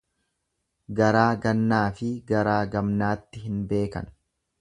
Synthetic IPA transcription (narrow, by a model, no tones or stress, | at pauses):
ɡɐɾaːɡɐnːaːfɪɡɐɾaːɡɐmnaːt̪ːɪɦɪnbe̞ːkɐ̰n